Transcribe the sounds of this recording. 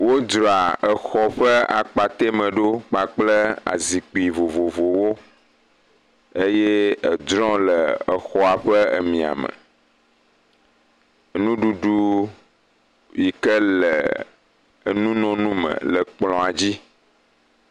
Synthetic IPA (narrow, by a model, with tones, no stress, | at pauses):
wo˦dɾɔ˨a˨ə˨xɔ˨ɸə˦a̰˨k͡pa˨t̪e˦mə̃˨ɖo˦k͡pa˨k͡plə˦a̰˨zi˨k͡pi˨vo˨vo˨vo˨wo˦ | e˦je˦ə˨d̪ɾɔ̃˦lə˨ə˨xɔ˦a˨ɸə˦ə̰˨mĩ˨a̰˨mə̰̃˨ | nũ˦ɖu˨ɖu˦ | ji˨kə˦lə˨ | nũ˦nɔ̃˦nũ˦mə̰̃˨lə˨k͡plɔ̃˨a˨d͡ʑi˦